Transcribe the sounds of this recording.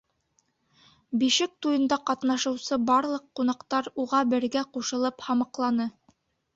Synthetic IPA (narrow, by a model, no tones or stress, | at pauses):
biʃɘk̚t̪ujɤ̆nd̪ɑqɑt̪nɑʃɤ̆wsɤbɑɾlˠɤqːun̪ɑqt̪ɑɾuʁɑbɘ̆ɾɡæquʃɤ̆lˠɤphɑmɤqlˠɑnɤ